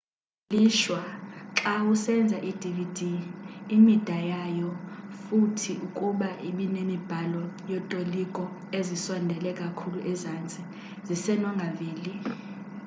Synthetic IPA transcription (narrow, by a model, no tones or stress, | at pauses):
liʃwaǁawusɛnd͡zʱaʔid̥ʱividʱiː | mid̥ʱajajɔfutʰiʔukʼuɓaʔiɓinemib̥ʱalɔjɔtʼolikʼɔ | eziswɔndʱɛlɛkʼakʰuluʔɛzant͡sʼi | zisɛnɔŋɡʱaviːli